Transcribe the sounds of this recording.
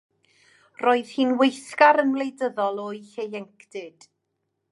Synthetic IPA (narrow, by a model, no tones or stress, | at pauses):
roːɨð̥hiːnwejθkaɾənlˠejdəðɔlˠoːjɬejɛŋkʰdɪd̥